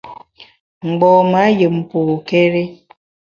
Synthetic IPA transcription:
ŋ͡m̩˨ɡ͡bɔː˨ma˨˦jə˨m˨po˨ke˦ɾe˦

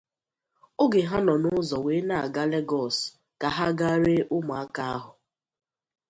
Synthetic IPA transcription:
o˦ɡe˨ɦa˦nɔ˨nʊ˦zɔ˨weː˨˦na˨a˨ɡa˦le˦ɡɔ˦˨s | ka˨ɦa˦ɡa˦ɾe˦ʔʊ˦ma˨a˦ka˨a˦ɦʊ˨

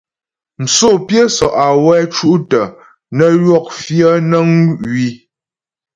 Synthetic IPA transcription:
n̩˨so˦˨pjə˦sɔ˨ʔa˨wɛ˦t͡ʃu˦ʔtə˨ | nə˦lwɔ˦˨k̚fjə˦nə˦ŋɥi˦

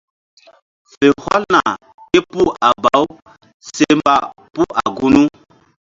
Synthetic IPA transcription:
fe˨hwa˦lna˨ | ke˦pu˦a˨ba˨˦w | se˦mba˦˨ | pu˦a˨ɡu˦nu˦

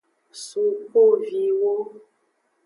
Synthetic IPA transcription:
su˨po˦vi˨wo˦

